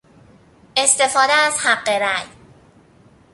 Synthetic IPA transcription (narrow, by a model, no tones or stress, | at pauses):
ʔest̪efɔːd̪aːshaqːeɾaj